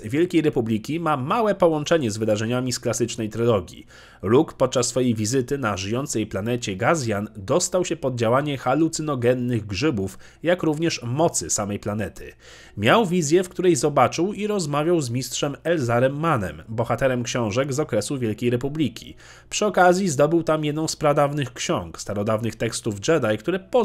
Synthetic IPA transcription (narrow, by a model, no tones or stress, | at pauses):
vʲjɛlkʲejɾɛpublʲikʲimamawɛpɔwɔnt͡ʂɛɲɛzvɘd̪aʐɛɲamʲisklasɘt͡ʂnɛjt̪ɾɘlɔɡʲjḭ | lukpɔt̪̚t͡ʂasːfɔjejvʲizɘt̪ɘnaʐɘjɔnt̪sɛjplanɛt͡ɕɛɡazʲjand̪ɔst̪awɕɛpɔd̪̚d͡ʑawaɲɛxalut̪sɘnɔɡɛnːɘɣɡʐɘbuf | jakɾuvɲɛʂmɔt̪sɘsamɛjplanɛt̪ʰɘ̰ | mʲjawvʲizʲjɛfkt̪uɾɛjzɔbat͡ʂɘwiɾɔzmavʲjawzmʲistʂɛmɛlzaɾɛmːanɛ̰mbɔxat̪ɛɾɛmkɕɔ̃w̃ʐɛɡzɔkɾɛsuvʲjɛlkʲejɾɛp̬ublʲikʲḭ | pʂɘɔkazʲjizd̪ɔbɘwt̪amjɛd̪nɔ̃w̃spɾad̪avnɘxkɕɔ̃ŋkst̪aɾɔd̪avnɘxt̪ɛkst̪uvd͡ʐɛd̪ajkt̪uɾɛpɔ